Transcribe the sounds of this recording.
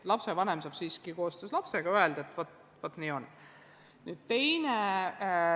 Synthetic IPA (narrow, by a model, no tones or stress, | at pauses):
lɑpse̞vɑne̞msɑːb̥siːskiko̞ːst̪øslɑpse̞ɡ̥ɑøe̞ld̪̥ɑet̪ːˑvɑt̪ | vɑt̪ːˑniːo̞n | nyːd̪̥̚t̪e̞jne